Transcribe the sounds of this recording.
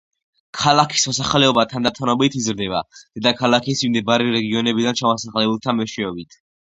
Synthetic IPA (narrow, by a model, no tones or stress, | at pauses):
kʰalakʰi̥smɔsaχlɛɔbat̪ʰand̪at̪ʰʼɔnɔbit̪ʰizɾd̪ɛba̰d̪̥ɛd̪akʰalakʰisimd̪ɛbaɾiɾɛɡiɔnɛbid̪ant͡ʃʰamasaχlɛbulˠt̪ʰamɛʃɛɔbit̪ʰ